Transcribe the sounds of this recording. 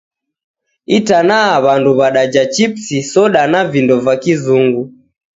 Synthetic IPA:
itanaːβanduβaɗad͡ʒat͡ʃipsisɔɗanavindɔvakizuŋɡu

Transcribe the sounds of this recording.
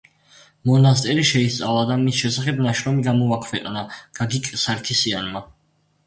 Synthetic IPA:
mɔnast̪ʼɛɾiʃɛist̪sʼavˠad̪amisʃɛsaχɛbnaʃɾɔmiɡamɔvakʰvɛqʼnaɡ̥aɡikʼsaɾkʰisianma

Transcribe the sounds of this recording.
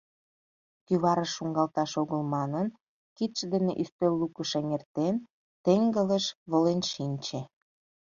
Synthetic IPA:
kyβɑɾəʃːuŋɡɑlt̪ɑʃoɣəlmɑnən | kit̪ʃd̪enḛʔyst̪ølːukəʃeŋert̪en | t̪eŋɡələʃβolenʃinʲt͡ɕĕ

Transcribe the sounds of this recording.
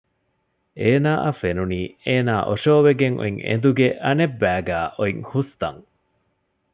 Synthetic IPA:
eːnaːʔɐfenuniːeːnaːʔoʂoːʋeɡeŋʔo̰iŋḛnd̪uɡeʔɐnebːæːɡæːʔoiŋhust̪ɐ̰ŋ

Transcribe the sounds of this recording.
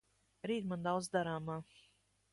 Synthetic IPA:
ɾiːt̪mand̪awd̪zd̪aɾaːmaː

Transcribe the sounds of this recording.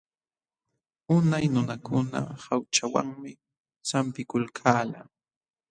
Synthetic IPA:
ʊnajnʊnakʊna̰hawt͡ʃawa̰ŋmɪ | t͡sampɪkʊlkʰaːla

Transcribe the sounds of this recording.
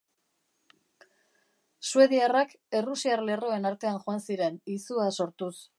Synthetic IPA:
sue̞ðiarak | e̞rusiarle̞ro̞e̞naɾt̪e̞anʝoansiɾe̞nisuaso̞ɾt̪us

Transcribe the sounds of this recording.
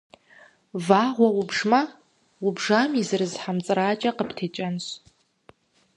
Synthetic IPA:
vaːʁʷɐwʊbʐmɐ | wʊbʐaːmizɨrɨzħamt͡sʼɨraːt͡ʃʼɐqəpʰtʰeːt͡ʃʼɐnɕ

